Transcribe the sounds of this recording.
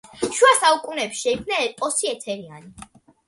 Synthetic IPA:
ʃuasaukʼunɛːpʃɛid̪zlɛɛpʼɔsiɛt̪ʰɛɾiani

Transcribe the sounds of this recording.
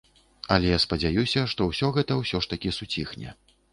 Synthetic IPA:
ɐlʲɛjaspɐd͡zʲajusʲɐʂt̪ɔwsʲɔɣɛt̪ɐwsʲɔʂt̪ɐkʲisut͡sʲixnʲɛ̰

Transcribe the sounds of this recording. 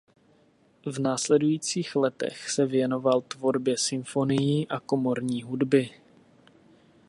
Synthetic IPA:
vnaːslɛdujiːt͡siːxlɛt̪ɛ̰xsɛvjɛno̞valt̪vo̞ɾbjɛsɪmfo̞nɪjiːʔako̞mo̞ɾɲiːɦudbɪ

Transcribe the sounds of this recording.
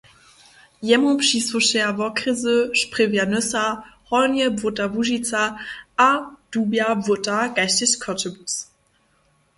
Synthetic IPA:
jɛmopʃisvoʃeɐvɔkʁizəʃpʁ̥evjanœsahɔnjəbvʊtavuʒit͡saad̥uːbjavʊtaɡ̥aɪstɪɕkʰœtəbus

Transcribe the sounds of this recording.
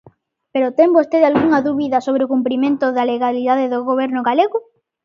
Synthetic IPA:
peɾot̪eŋbost̪eðalɣuŋɐðuβiðɐsoβɾeokumpɾimẽnt̪oðaleɣaliðaðeðoɣoβ̞eɾnʊɣaleɣʊ

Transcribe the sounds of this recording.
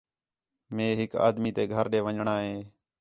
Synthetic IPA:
mẽːɦɪka̰ːd̪miːt̪eːɡʱəɾɗeːʋəɲɳaːɦeː

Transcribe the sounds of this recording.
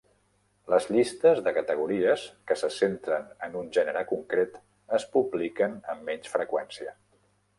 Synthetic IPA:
ləzʎist̪əzðəkət̪əɣ̞uɾiəskəsəsent̪ɾənənunʲʒɛnəɾəkuŋkɾet̪ | əspuβlikənəmːɛɲsfɾəkwɛnsiə

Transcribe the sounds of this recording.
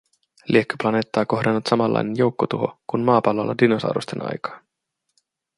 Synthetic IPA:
lʔiekːy̥plɑne̞ːt̪ːɑːko̞hdɑnːut̪sɑmɑlːɑ̰jne̞njo̞wkːot̪uɦo̞̰kunmɑːpɑlːolːɑ̰dinosɑ̰wɾost̪e̞̰nʔɑ̰jkɑ̥ːn

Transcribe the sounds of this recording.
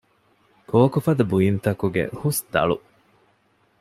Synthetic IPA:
koːkufɐd̪ɐbujint̪ɐkuɡḛhusd̪ɐ̰ɭṵ

